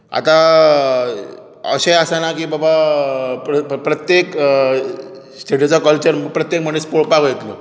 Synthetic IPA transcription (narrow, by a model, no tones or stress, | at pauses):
a̰t̪a | ə̰ɕejasanakiːbaba | pɾət̪jek | sʈeʈit͡sakəlt͡ɕəɾpɾət̪jek̚m̤əɳespoɭpaɡjet̪lə